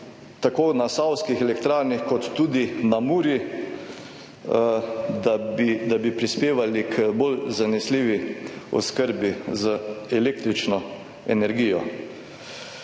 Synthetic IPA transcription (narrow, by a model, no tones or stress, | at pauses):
t̪akoːnasawskixɛlɛkt̪ɾaːɾnixkɔt̪ːuːd̪inamuːɾji | d̪abid̪abipɾispeːʋalikʰbolzanɛsliʋiɔ̰skəɾbizəɛleːk̚t̪ɾit͡ʃnɔ | ɛnɛɾɡijɔ